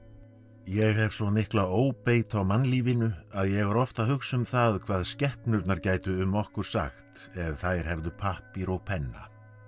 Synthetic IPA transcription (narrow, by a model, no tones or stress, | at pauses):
jɛɣhɛvsvɔnɪhklaoːwpeːjt̪awmanliːvɪnʏaðjɛɣvaɾɔft̪aɦʏxsʏmθaðkʰvaːðscɛhpnʏɾt̪naɾcaːjt̪ʏʏmːɔhkʏɾ̥sa̰xt̪ɛðθajɾ̥hɛvðʏpʰahpɪɾɔɣpʰɛnːa̰